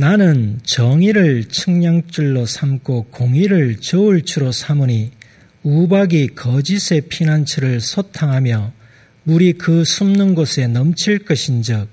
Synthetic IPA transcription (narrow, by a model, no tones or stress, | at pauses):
nanɯnt͡ɕʌŋiɾɯɭt͡ɕʰɯŋɲaŋt͡ɕ͈uɭːosʰamk͈ʰokoŋiɾɯɭt͡ɕʌuɭt͡ɕʰuɾosʰamɯɲi | ubaɡikʌd͡ʑisʰe̞pʰinant͡ɕʰɯɾɯɭsʰotʰaŋɦamjʌ | muɾikɯsʰumnɯnɡosʰe̞nʌmt͡ɕʰiɭk͈ʌɕʰind͡ʑɯk̚